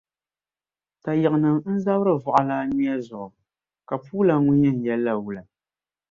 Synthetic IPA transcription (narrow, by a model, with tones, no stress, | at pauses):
ta˨jɪ˨ʔɨ˨nɨ˨ŋn̩˦za˦bɾɨ˦vʊ˨ʔa˨la˦ni˦a˦zʊ˨ʔʊ˨ | ka˨puː˦la˨ŋʊ˦ɲɛ˦˨n̩˨jɛ˦lːa˦˨wu˨la˨